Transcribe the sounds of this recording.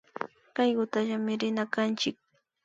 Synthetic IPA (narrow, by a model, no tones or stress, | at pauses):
kajɢʊt̪aʎamɪɾɪnakant͡ʃɪk̚